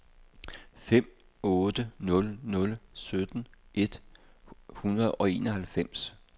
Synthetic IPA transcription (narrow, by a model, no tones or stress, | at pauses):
fem̰ | ɔːd̥ənɔ̽lnɔ̽lsød̥n̩ʔe̝d̥ | hunɐð̩ˠɒ̽e̝̰ːnɒ̽hælfem̰s